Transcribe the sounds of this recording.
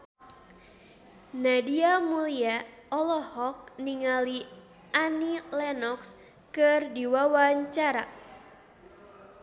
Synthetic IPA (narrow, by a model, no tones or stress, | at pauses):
nadiamuliaɔlɔhɔk̚niŋali | anilɛnɔks | kɨrdiwawaɲt͡ʃaɾa